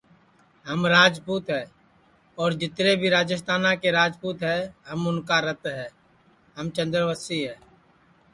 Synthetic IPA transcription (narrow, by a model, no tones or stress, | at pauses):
ɦəmɾaːd͡ʒpuːt̪ɦɛː | ɔːɾd͡ʒɪt̪ɾebʱiɾaːd͡ʒəst̪ʰaːnakeɾaːd͡ʒpuːt̪ɦɛːɦəmʊnkaɾət̪ɦɛː | ɦəmt͡ʃə̃nd̪ɾʋəsiɦɛː